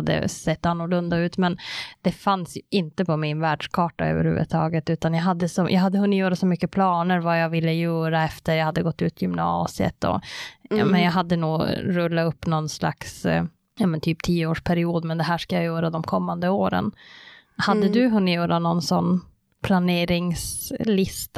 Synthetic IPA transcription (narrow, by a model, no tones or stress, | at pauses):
d̪ːə̰sɛt̪ːanːɔɭɵnd̪aʉ̟ːt̪mɛnd̪̥ɛfansjɵʔɪnt̪əpʰɔmɪnvæːɖʂkʰɑːʈa̰ø̰ːvə̰ɾhʉ̟̰ːvə̰t̪ʰɑːɡət̪ʉ̟ːt̪anjaɦad̪ːəsɔjʔa̰ɦad̪ːəhɦɵnːt̪jœːɾasɔmʏkːəpʰlɑːnəɾvajavɪlːəjœːɾaɛft̪əɾjahad̪ːəɡɔt̪ːʉ̟ːt̪ʰjʏmnɑ̰ːsɪə̰t̪ɔ̰ | mɛnjaːɦad̪ːənuːɾɵlːaɵpːnɔnːsla̰ks | jɑːmɛnt̪ʰyːp̚t̪ʰiːəoːʂpʰæɾɪuːd̪mɛnd̪ɛɦæːʂkajajœːɾad̪ɔmkʰɔmːand̪əoːɾə̰n | had̪ːəd̪ɵɦɵnːɪt̪jœːɾanɔnsɔnː | pʰlaneːɾɪŋslɪst̪